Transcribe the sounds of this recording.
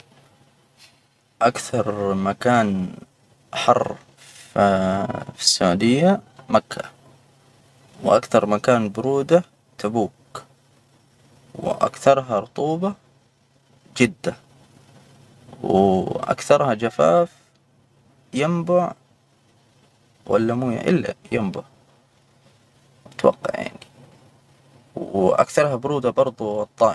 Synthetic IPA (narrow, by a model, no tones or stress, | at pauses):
ʔakθɑɾˤmakaːn | ħɑrˤː | fi̥sːaʕuːd̪ɪjːamakʰːa̰ | wʔakθɑɾˤmakaːnbʊɾuːd̪a | t̪abuːk | wʔa̰kθɑɾˤɦɑɾˤʊt̪ˤuːba | d͡ʒɪd̪ːa | wʔa̰kθɑɾˤhad͡ʒafa̰ːf | jɪmbʊʕ | wʔa̰lːamuːja̰ʔɪlːa̰jɪmbʊʕ | ɪt̪wɑ̰qːɑ̰ʕja̰ʕni | wʔa̰kθɑɾˤhabʊɾuːd̪abɑɾˤd̪ˤuɑt̪ˤːɑːʔ